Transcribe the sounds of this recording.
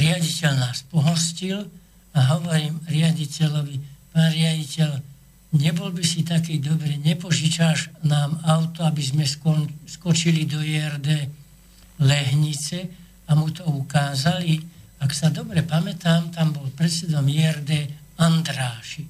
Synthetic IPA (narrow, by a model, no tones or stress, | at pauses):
ɾɪaɟicɛʎnaːspɔɦɔscil | aɦɔʋɔɾiːmɾɪaɟicɛlɔʋipaːnɾɪaɟicɛl | ɲɛbɔlbisit̪akiːd̪ɔbɾiːɲɛpɔʒit͡ʃaːʒnaːmaʊt̪ɔabizmɛskɔskɔt͡ʃilid̪ɔɛɛrd̪ɛː | lɛɦɲit͡sɛ | amut̪ɔukaːzali | aksad̪ɔbɾɛpamɛt̪aːmt̪ambɔlpɾɛt̪t͡sɛd̪ɔmjɛɛɾd̪ɛːand̪ɾaːʃi